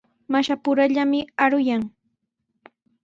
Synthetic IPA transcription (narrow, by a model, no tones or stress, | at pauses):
maʃapʊɾaʎamɪaɾʊjaŋ